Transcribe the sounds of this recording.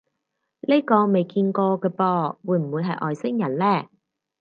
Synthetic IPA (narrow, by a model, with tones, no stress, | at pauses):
le˥jkɔː˧me˨jkiː˧nkɔː˧kɛː˧pɔː˧wuː˨˧jm̩˨˩wuː˨˧jɦɐ˨jʔɔː˨˩jsɪ˥ŋjɐ˨˩nlɛː˥